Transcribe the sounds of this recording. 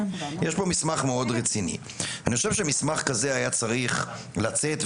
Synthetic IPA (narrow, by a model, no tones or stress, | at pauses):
jeʃbo̞mismaχmeo̞dʁet͡sinḭ | aniχoʃevʃemismaχkaze̞ajat͡saʁiχ | lat͡set̪